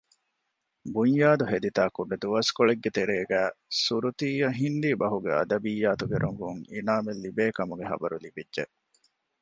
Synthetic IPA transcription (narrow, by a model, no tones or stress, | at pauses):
buɲjaːd̪uɦed̪it̪aːkuɖɐd̪uʋɐskoɭeɡːet̪eɾeːɡæːsuɾut̪iːjɐɦind̪iːbɐɦuɡeɐ̰d̪ɐbijːaːt̪uɡeɾʔuŋɡuŋḭnaːmelːibeːkɐmuɡeɦɐ̰bɐɾulibidʒeʔ